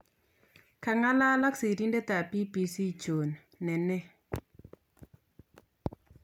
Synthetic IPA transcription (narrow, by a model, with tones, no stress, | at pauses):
ka˨ŋa˦la˦la˦ksi˨ɾi˦ndɛ˦t̪a˨pi˦pi˨si˦t͡ʃo˨n | nɛ˨nɛ˦